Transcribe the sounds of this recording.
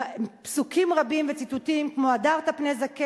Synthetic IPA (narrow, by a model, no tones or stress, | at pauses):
psukimʁabimvet͡sit̪utimkmoadaʁt̪apnezake